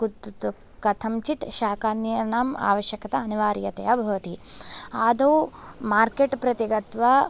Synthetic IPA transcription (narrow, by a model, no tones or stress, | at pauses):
kut̪ | kɐt̪ʰɐmt͡ʃit̪ʃaːkaːnjɐnaːma̰ːʋɐʃjɐkɐt̪ɐːniʋaːɾjɐt̪ɐ̰jɐbʱɐʋɐt̪iaːd̪oːmaːɾkeʈpɾɐt̪iɡɐt̪ʋɐ